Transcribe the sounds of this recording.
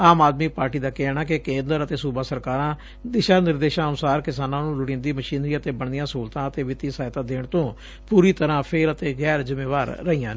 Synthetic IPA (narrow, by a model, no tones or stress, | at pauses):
aːmaːd̪miːpaːɾʈiːd̪aːkɛːɳaːkɪkẽːnd̪əɾət̪eːsuːbaːsəɾkaːɾãː | d̪ɪʃaːnɪɾd̪eːʃãːənʊsaːɾkɪsaːnãːnũːlʊɽɪ̃ːnd̪iːməʃiːnɾiːət̪eːbəɳd̪ɪjãːsuːlt̪ãːət̪eːʋɪt̪iːsaːɪt̪ãːd̪eːɳt̪õː | puːɾiːt̪əɾãːpʰɪɾət̪eːɣɛːɾzɪmeːʋaːɾːəiːãː